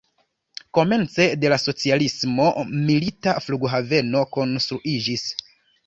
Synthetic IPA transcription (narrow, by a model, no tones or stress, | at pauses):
ko̞me̞nt͡se̞de̞laso̞t͡sialismo̞militafluɡɦave̞no̞ko̞nstɾuʔid͡ʒis